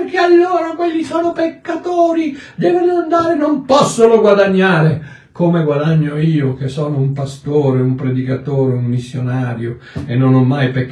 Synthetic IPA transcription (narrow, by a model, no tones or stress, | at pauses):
rkealːoːɾakwelːisoːnopekːat̪oːɾid̪ɛːvoloand̪aːɾenompɔsːoloɡwad̪aɲːaːɾe | komeɡwad̪aɲːoiːok̟esːɔːnoumpast̪oːɾeumpɾed̪ikat̪oːɾeumːisːjonaːɾjo | enːonɔmːajpekː